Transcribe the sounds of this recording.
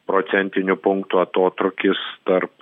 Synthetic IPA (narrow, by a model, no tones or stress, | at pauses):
pɾoːt̪sʲɛnʲt̪ʲɪnʲʊpʊŋkt̪uɐt̪oːt̪ɾʊkʲɪst̪ɐɾp